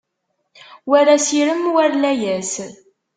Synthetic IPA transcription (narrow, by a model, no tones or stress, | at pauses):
wæɾæsiɾəmwæɾlæjæs